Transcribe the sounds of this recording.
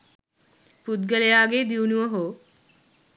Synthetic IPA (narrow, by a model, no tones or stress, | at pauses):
pud̪ɡəlejaːɡeːd̪iunuʋəɦoː